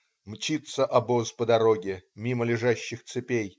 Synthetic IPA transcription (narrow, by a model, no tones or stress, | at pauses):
mt͡ɕit̪səʔɐbospəd̪ɐɾoɡʲɪmʲiməlʲɪʐaɕːɪxt̪sɨpʲej